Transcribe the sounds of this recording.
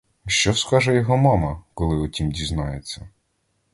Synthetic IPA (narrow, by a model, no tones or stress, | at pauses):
ʃt͡ʃɔskɑʒɛjɔɦɔmɑmɐkɔlˠɪɔtʲimdʲiznɑjet͡sʲːɐ